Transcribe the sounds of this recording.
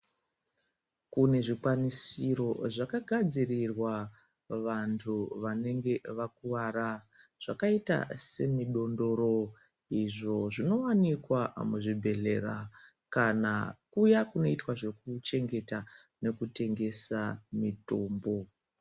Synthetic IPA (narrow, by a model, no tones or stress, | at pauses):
kune̞ʐikwanisiɾo̞ʐakaɡʱad͡zirirwa | ʋantʰuʋane̞ŋɡe̞ʋakuʋara | ʐ̥akaita̰se̞miɗo̞ndo̞ɾo̞ | iʐo̞ʐino̞wanikwamuʐibʱe̞ɮe̞ra | kanakujakuno̞itwaʐe̞kut͡ʃe̞ŋɡe̞ta | ne̞kute̞ŋɡe̞samito̞ːmbo̞